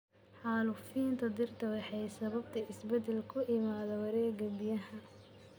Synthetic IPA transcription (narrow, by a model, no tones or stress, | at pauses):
ħɑːlʊfiːnt̪ʰɐd̪ɪrt̪ʰɐwɑħɑjsɐβɐb̚t̪ʰɐɪsbɛd̪ɛlkʰʊʔɪmaːðɐwɐɾɛːɡɐbɪjɐhɐ